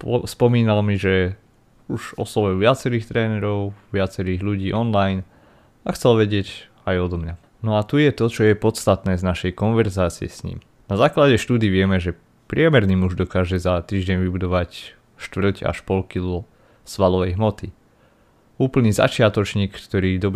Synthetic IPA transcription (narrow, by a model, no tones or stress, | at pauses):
spɔmiːnalmiʒɛ | uʃɔsɔʋɛʋɪat͡sɛɾiːxt̪ɾɛːnɛɾɔʊʋɪat͡sɛɾiːɣʎuɟiːʔɔnlajn | axt͡sɛlʋɛɟɪɛɟ | ajɔd̪ɔmɲa | nɔat̪ujɛt̪ɔt͡ʃɔjɛpɔt̪st̪at̪nɛːznaʃɛjkɔnʋɛɾzaːt͡siɛ̰sɲḭːm | nazaːklaɟɛʃt̪uːd̪iːʋɪɛmɛʒɛ | pɾɪɛmɛɾniːmuʒd̪ɔkaːʒɛzat̪iːʒɟɛɲʋibud̪ɔʋac | ʃt̪ʋr̩ca̰ʃpɔlkilu | sʋalɔʋɛjɦmɔt̪i | uːpl̩niːza̰t͡ʃɪat̪ɔt͡ʃɲiːkːt̪ɔɾiːd̪ɔb